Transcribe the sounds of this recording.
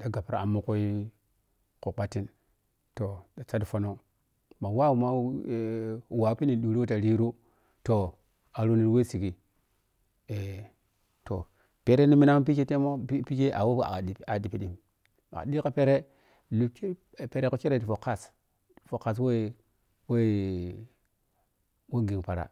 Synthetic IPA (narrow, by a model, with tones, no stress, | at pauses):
da˨ɡa˨pɾa̰˨a̰˨mu˦ku˦i˦ | ku˨k͡pa˨ti˦n | to˨da˨t͡ʃa˦dfo˦no˦ŋ | ma˨wa˦wu˨ma˦˨ | wa˨˦pi˦ni˨ɗu˨ɾi˦o˦ta˨ɾi˦ɾu˦ | to˨ | a˨ɾo˦ni˨ɾwe˦si˨ki˨ | e˨ | to̰˨ | pe˦ɾe˦ni˦mi˦na˦m˦p̬i˦t͡ʃe˦te˦mo˦pi˦t͡ʃe˦a̰˨wo˦˨a̰˨a˨di˨pi˦ɗi˨m | a̰˨a̰˨ɗi˦ka˦pe˦ɾe˦ | lu˨t͡ʃe˦˨ | pe˨ɾe˦ko˦t͡ʃe˦ɾe˨ti˨fo˨ka˦˨s | fo˨ka˨s̬we˦ | we˦ | we˦ɡi˨ŋpa˨ɾa̰˨